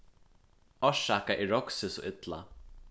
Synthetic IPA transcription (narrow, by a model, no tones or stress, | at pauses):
ɔʃakaʔɪɹɔksɪsɔ̰ʔɪt̪la̰